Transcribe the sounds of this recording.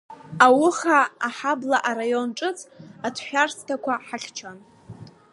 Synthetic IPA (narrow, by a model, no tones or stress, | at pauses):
awʊχaːħablaʔaɾajo̞nʈ͡ʂʼɨt͡sʰʼatʰħʷᶣarsʰtʰakʷaħaɬʲt͡ʃʰan